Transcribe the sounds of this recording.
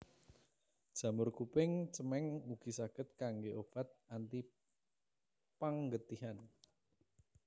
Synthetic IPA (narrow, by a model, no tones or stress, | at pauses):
d̥ʒ̥a̤mʊrkupɪŋt͡ʃəmɛŋuɡ̥i̤saɡ̥ət̪̚kaŋɡeʔopat̪̚ant̪i | paŋɡət̪iɦan